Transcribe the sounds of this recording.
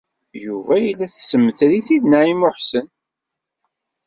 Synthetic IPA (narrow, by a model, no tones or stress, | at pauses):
juvæjəlːæθsəmːθɾiθiðnæʕimʊħsən